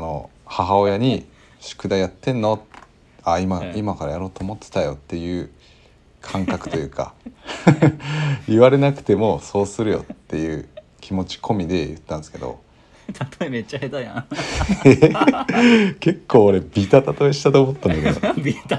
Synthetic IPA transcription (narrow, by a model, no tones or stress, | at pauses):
ano̞̰haɦao̞jaɲ̟i | ɕi̥kɯ̟d̪ajat̪ːẽ̞nːo̞t̪ | aimaimakaɾajaɾo̞ːt̪oːmo̞t̪ːe̥t̪ajo̞t̪ːe̞jɯ̟ː | kʰãŋkakɯ̟̥t̪o̞jɯ̟ːka̰ | iβaɾe̞nakɯ̟̥t̪e̞mo̞so̞ːsɨɾɯ̟jo̞̰t̪ːe̞jɯ̟ː | kʲimo̞t͡ɕi̥kʰo̞mʲid̪e̞jɯ̟̰t̪ːãñsɨ̥ke̞d̪o̞̰ | t̪ʰat̪oemet͡ɕːahet̪ajã | e | ke̞kːo̞ːɾe̞bʲit̪at̪at̪o̞eɕi̥t̪at̪oːmot̪ːãnd̪aked̪o